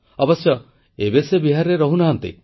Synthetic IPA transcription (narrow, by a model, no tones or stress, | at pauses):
ɔbɔsjɔ | ebesebiɦaɾɾeɾɔɦunaɦant̪ḭ